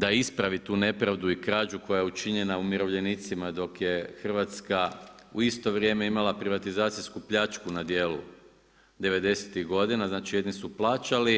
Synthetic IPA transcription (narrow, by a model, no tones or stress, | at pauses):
d̪aispɾaʋit̪uːne̞pɾaʋd̪uikɾaːd͡ʒuko̞jajeut͡ʃiɲe̞naumiɾo̞ʋʎe̞nit̪simad̪o̞kje̞xr̩ʋat̪skauist̪o̞ʋɾje̞ːme̞imalapɾiʋat̪izaːt̪siskupʎat͡ʃkunad̪jeːlṵ | d̪e̞ʋe̞d̪e̞set̪iɣɡo̞d̪inaznaːt͡ʃije̞d̪nisuplˠaːt͡ʃali